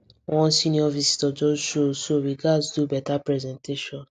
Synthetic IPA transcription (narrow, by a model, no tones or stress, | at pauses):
wɔ̃sĩnĩɔvisi̥tɔd͡ʒɔʃosoɾiɡasdubɛtapɾɛzɛ̃nteʃɔ̃n